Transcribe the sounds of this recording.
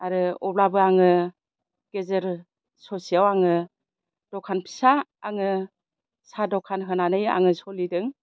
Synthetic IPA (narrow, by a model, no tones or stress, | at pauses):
aɾɯɔblabɯaŋɯ | ɡ̥ezɯɾ | sɔsijawaŋɯ | d̥ɔkʰanpʰi̥saaŋɯ | sadɔkʰanɦɯnanɯja̰ŋɯsɔlidɯŋ